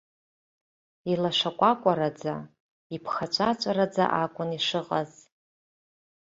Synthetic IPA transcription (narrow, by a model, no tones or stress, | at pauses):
ilaʂakʷʼakʷʼaɾad͡za̰ | ipʰχat͡ʃʷʰʼat͡ʃʷʼaɾad͡za̰ʔakʷʼʊniʂɨqʼaz